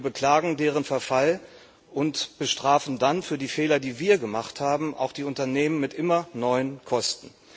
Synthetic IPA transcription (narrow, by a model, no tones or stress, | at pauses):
bəkl̥aːɡŋ̩deːʁ̞ənfɛɐfal | ʔʊntb̥əʃtʁ̥aːfn̩danfyːɐdiːfɛːlɐdiːviːɐɡəmaχthaːbm̩ʔa̰ʊxd̥iːʊntɐneːmənmɪtʔɪmɐnɔʏənkʰɔstn̩